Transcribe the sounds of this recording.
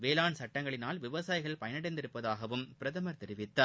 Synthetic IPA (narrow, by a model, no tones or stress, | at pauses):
ʋeːlaːɳsɐʈːɐŋɡɐɭɪnaːlʋɪʋɐsaːjɪɣɐɭpɐjɐnɐɽɐɪnd̪ɪɾɯpːɐðaːɣɐʋɯmpɪɾɐtðɐmɐɾt̪ɛɾɪʋɪt̪ːɐ